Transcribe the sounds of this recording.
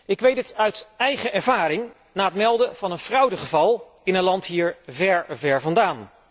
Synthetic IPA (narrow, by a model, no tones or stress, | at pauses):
ɪkʋejtətœɥtɛjχəʔɛɹvaːɾɪŋ | naːətmɛlˠdəv̥ɑnənfrɑwdəχəvɑlˠ | ɪnənlɑntɦiːɹvɛɹvɛɹvɑndaːn